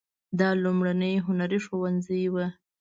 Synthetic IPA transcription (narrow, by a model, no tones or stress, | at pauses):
d̪ɑlumɽanəjɦʊnaɾiʂowanzəjwa